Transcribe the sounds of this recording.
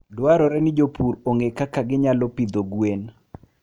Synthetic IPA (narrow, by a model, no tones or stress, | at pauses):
dwaɾɔɾɛnɪd͡ʒopʰuɾoŋekakaɡɪɲalɔpid̪oɡwen